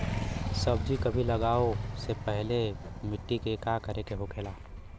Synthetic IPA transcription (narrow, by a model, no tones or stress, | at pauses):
sɐb̚d͡ʒikɐbʱilɐɡaːosepɛɦlemɪʈːikekakɐɾʔekeɦokʰeːlaː